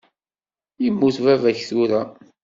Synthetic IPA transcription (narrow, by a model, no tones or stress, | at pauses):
imːuθvævæçθuɾæ